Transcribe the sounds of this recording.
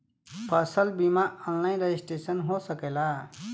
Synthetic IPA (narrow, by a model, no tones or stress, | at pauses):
pʰəsəlbimaãnlaːĩnɾeisʈeːsənɦosəkeːlaː